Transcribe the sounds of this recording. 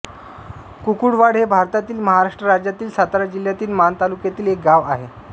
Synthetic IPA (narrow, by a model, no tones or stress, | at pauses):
kukuɽʋaɽɦebʱaɾt̪at̪iːlməɦaɾaʂʈɾəɾad͡ʑjat̪iːlsat̪aɾad͡ʑil̤jat̪iːlmant̪alukjat̪iːlek̚ɡaʋaɦe